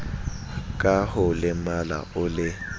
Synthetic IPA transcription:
kʼahʊlɪmala̰ʊlɪ

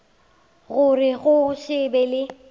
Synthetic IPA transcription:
ɣʊrɪɣʊʃɪbɛlɪ

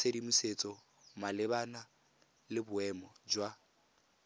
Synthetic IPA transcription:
seɾimuset͡sʼɔ | malɪβana | lɪbʊɛmɔd͡ʒwa

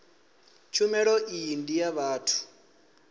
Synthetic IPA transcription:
t͡ʃʰumɛɺɔʔijindijaβaːtʰu̥

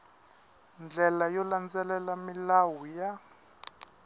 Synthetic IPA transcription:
nd͡ɮʱɛlajɔland͡zɛlɛlamilawuja

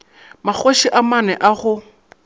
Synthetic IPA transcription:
mak͡xoʃiʔamanɛʔaɣʊ

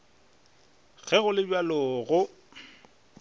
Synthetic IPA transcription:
ɣʰɛɣʊlɪbwalʊːɣʊ

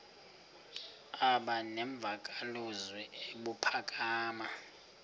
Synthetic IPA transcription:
aɓanɛɱb̪vʱakʼaluzwɛeɓupʰakʼaːma

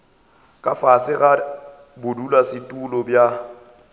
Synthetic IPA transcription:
kʼafasɪɣa | bʊdulasɪtʼulɔbja

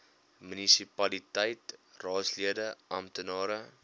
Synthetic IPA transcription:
mynisipɐlitɛjtrɑːtsliədəʔɐmtənɑːɾə

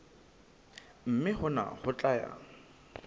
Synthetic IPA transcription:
m̩mɪhʊna̰hʊt͡ɬʼaja̰

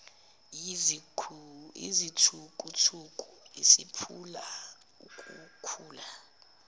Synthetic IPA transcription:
ḭzitʰukʼutʰukʼuisipʰula | ukʼukʰuːla

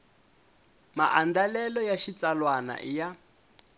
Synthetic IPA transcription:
ma̰ʔandalɛlɔjaʃit͡salwana̰ʔija

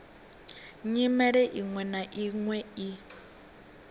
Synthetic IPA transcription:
ɲimɛɺɛʔiŋwɛnaʔiŋwɛi

